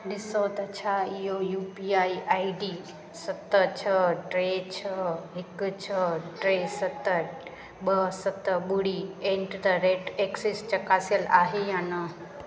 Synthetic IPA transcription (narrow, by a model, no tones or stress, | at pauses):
ɗɪsot̪ɐt͡ɕʰaːɪɦojuːpiaːiʔaːiɖi | sɐt̪ət͡ɕʰɐəʈɾeːt͡ɕʰəɦɪkt͡ɕʰəʈɾeːsɐt̪ə | ɓɐɦsɐt̪əɓʊɽiẽɳʈt̪ɐɾeːʈeksist͡ʃɐkaːsijəlaːɦejãːnɐ